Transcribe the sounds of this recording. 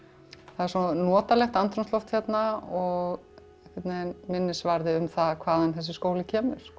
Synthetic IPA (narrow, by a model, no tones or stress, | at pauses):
θaðɛɾsɔnɔːt̪alɛxt̪ant̪ɾɔnst̪lɔft̪çjɛt̪naɔɣ | ɛhkvɛt̪nenmɪnːɪsvaɾðɪʏmθaðkʰvaːðanθɛs̬ɪskoːwlɪcʰɛːmʏɾ̥